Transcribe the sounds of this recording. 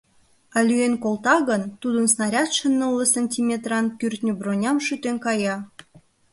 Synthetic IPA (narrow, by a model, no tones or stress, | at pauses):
ɑlʲyenkolt̪ɑɣənt̪ud̪ənsnɑɾʲɑt̪ʃənːəlːəsənʲtʲimʲet̪rɑnkyrt̪ʲnʲybronʲɑmʃyt̪enkɑjɑ